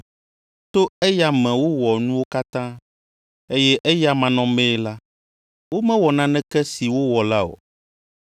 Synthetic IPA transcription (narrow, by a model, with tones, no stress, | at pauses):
t̪o˦ɛ˦ja˦mɛ̃˨wo˦wɔ˨nũ˦wo˦ka˦t̪ã˦ | e˦jɛ˦ʔe˦ja˦mã˨nɔ̃˨mɛ̃˦la˦ | wo˦mɛ̃˦wɔ˨nã˦nɛ̃˦kɛ˦si˨wo˦wɔ˨la˦o̰˨